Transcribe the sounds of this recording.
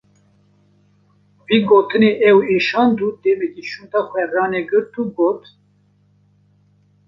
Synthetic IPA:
viːɡoːt̪ʰɨneːʔɛweːʃɑːnd̪ud̪ɛːmɛkiʃunt̪ɑːxʷɛɾrɑːneɡɨɾt̪uːɡoːt̪

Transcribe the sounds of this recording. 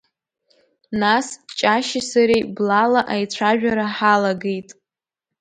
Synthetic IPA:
nast͡ʃʼaʃisaɾejblalaʔajt͡sʷʰaʒᶣaɾaħalaɡejtʼ

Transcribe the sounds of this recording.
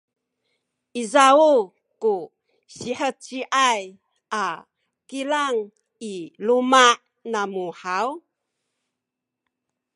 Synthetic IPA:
ʔizau | ku | ɕiħət͡siʔaj | ʔa | kilaŋ | ilumaʔ | namuħaw

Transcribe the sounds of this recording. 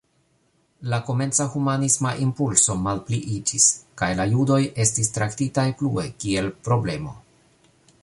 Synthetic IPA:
lako̞me̞nt͡sahumanismaʔimpulso̞malpliʔid͡ʒiskajlajudo̞je̞stistɾaktitajplue̞kie̞lpɾo̞ble̞mo̞̰

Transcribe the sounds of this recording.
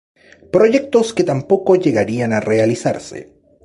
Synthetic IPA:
pɾo̞ʝe̞k̚t̪o̞sket̪ampo̞ko̞ʝe̞ɣaɾianare̞alisa̰ɾsḛ

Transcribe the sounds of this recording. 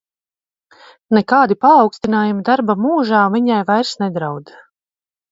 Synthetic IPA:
nɛkaːd̪ipaːwkst̪inaːjumid̪aɾbamuːʒaːviɲajvajɾsnɛd̪ɾawd̪a

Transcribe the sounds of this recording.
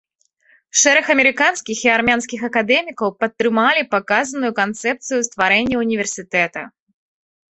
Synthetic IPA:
ʂɛɾɛxɐmʲɛɾɨkanskʲixiarmʲanskʲixɐkad̪ɛmʲikɐwpɐt̪ːɾɨmalʲipakazɐnujukant̪sɛp̚t̪sɨjust̪vaɾɛnʲːɛunʲivʲɛrsʲɨt̪ɛt̪ɐ̰

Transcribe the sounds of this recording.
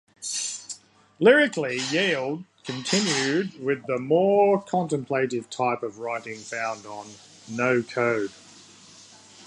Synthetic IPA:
lɪɹɪklijɛɪlˠd̚kʰɨ̃ntʰɪ̃njʉd̚wɪðəmɔːkʰɑ̃ntə̃mpʰl̥eɪɾɪv̥tʰɑɪpəvɹaɪɾɪ̃ŋfãʊ̃ndn̩ː | əʊkʰəʊd̥

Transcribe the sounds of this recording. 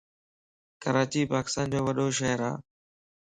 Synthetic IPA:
kəɾaːt͡ɕiːpaːkɪ̥st̪aːnd͡ʑoːʋəɗoːʃəɦəɾa̰ː

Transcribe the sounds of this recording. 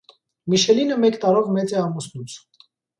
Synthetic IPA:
miʃɛlinəmɛkt̪ɑɾɔvmɛt͡sɛɑmusnut͡s

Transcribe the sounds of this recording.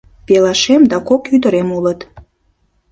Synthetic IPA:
pelɑʃemd̪ɑkokyd̪əɾemulət̪

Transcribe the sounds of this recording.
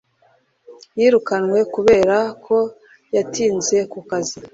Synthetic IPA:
jiːɾukanwe̞kuβe̞ːɾakʰo̞ | jatiːnze̞kukazi

